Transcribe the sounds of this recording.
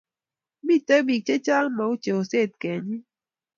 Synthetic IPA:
bi˦˨tə˦bi˨k̚t͡ʃe˦t͡ʃa˦lma˨u˦t͡ʃe˨o˨se˦˨t̚kɛ˨ɲi˦

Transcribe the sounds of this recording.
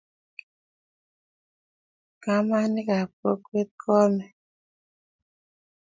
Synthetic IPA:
ka˦ma˦ni˦ka˨po˦kwe˦t̪̚kʰɔ˦mɛ˨

